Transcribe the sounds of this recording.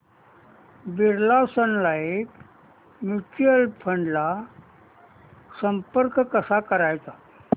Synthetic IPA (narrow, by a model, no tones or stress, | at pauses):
biɾlasənlaek | mjut͡ɕuəlpʰəɳɖla | səmpəɾkkəsakəɾajt͡sa